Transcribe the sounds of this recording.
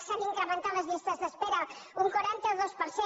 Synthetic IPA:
ʃaniŋkɾəmə̃nt̪aləzβist̪əzðəspeɾəuŋkwaɾant̪əðospəɾse

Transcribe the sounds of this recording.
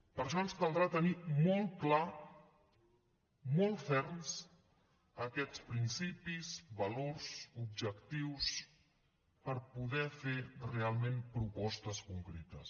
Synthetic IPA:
pəɾʃɔənskalˠd̪ɾat̪ənimɔlˠt̪kla | mɔlˠt̪fɛɾns | əkɛt͡spɾinsipizβəloɾzub̚ʒəkt̪iws | pəɾpuðɛferealˠmẽmpɾupɔst̪əskuŋkɾet̪əs

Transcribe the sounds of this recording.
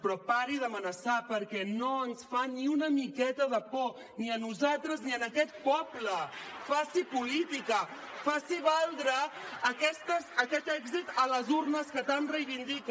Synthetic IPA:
pɾɔpaɾiðəmənəsapəɾkɛnoənsfaniunəmikɛt̪əðəpɔ | niənuzalˠt̪ɾəzniənəkɛt̪̚pɔbləfasipulit̪ikə | fasiβalˠd̪ɾəːkɛst̪əzəkɛt̪ɛɡzit̪ələzurnəskət̪anrəjβind̪ik

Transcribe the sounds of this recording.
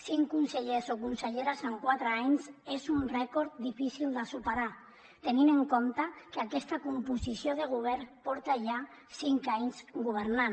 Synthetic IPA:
siŋkunseʎesokunseʎeɾazaŋkwat̪ɾeaɲsezunrɛkoɾt̪d̪ifisilˠd̪asupeɾa | t̪enineŋkomt̪akeakɛst̪akumpusisjoð̞eɣ̞uβ̞ɛɾpɔɾt̪aʒa | siŋkaɲzɡuβeɾnan

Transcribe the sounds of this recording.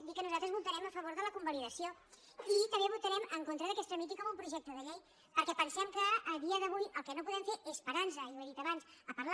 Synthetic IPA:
d̪ikːənuzalˠt̪ɾəzβut̪əɾɛməfəβoɾðələkumbəliðəsio | it̪əmbeβut̪əɾɛməŋkont̪ɾəðəkɛst̪əmit̪ikɔmumpɾuʒɛk̚t̪əðəʎej | pəɾkɛpənsɛmkəːðiəðəβ̞ujəlˠkənopuðɛmfeʔespəɾansəiweðit̪əβansəpəɾla

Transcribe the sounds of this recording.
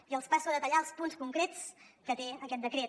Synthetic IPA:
iəlˠspasuəðət̪əʎalˠspunskuŋkɾet͡skət̪eəkɛt̪̚d̪əkɾe

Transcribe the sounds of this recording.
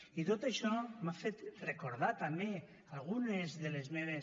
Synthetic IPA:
it̪ot̪eʃɔmafet̪rekoɾðat̪ame | alɣ̞unezðelezmeβ̞e

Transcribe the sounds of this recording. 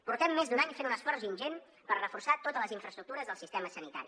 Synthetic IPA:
puɾt̪ɛmːezd̪unaɲfenunəsfɔɾzinʲʒen | pərrəfursat̪ot̪ələziɱfɾəst̪ɾuk̚t̪uɾəzðəlˠsist̪ɛməsənit̪a̰ɾi

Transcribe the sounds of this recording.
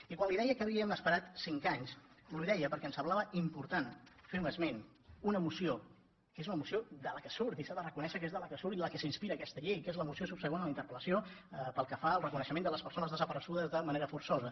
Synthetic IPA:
ikwanliðɛjəkəːβ̞iəməspəɾat̪siŋkaɲsluiðɛjəpəɾkɛənsəmblaβəʔimpuɾt̪anfiɾməzmen | unəːmusio | kezunəmusiod̪ələkəsuɾt̪isaðərəkunɛʃəkezðələkəsuɾt̪iləkəsinspiɾəːkɛst̪əʎejkezləmusiosupsəɣonəlint̪əɾpələsioəpəlˠkəfaəlˠrəkunəʃəmẽnd̪ələspəɾsonəzðəzəpəɾəsuðəzðəməneɾəfuɾsɔzə

